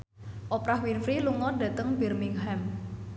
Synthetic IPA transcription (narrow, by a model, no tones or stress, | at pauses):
ʔɔpɾahwinfɾiluŋɔda̤t̪əŋbɛrmiŋɦɛm